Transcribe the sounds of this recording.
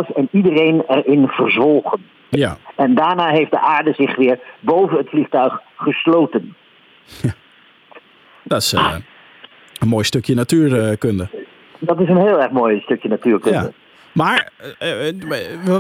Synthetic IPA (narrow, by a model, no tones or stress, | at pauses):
əsɛnidərejnɛrɪnv̥ərzʋɔlˠχən | jaɛndaːɹnaːɦejftdəʔaːɹdəzɪχʋɪːɹbowvənətfliχtœɥχːəsloːwtən | ja | d̥ɔs | ənmoːjstøkjənatyːrkøndə | dɑtɪsənɦɪːlˠɛrχmoːjstøkjənatyːɹkøndə̰ | maːɹ